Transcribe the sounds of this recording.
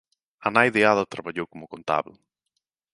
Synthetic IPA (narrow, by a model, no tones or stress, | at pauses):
anajðeaðɐt̪ɾaβaʎowkomʊkont̪a̰βlʊ